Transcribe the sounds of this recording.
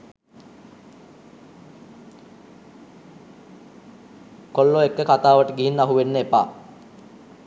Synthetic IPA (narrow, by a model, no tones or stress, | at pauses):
kolːoekːəkat̪aːʋəʈəɡiɦinːəaɦuʋenːəepa̰ː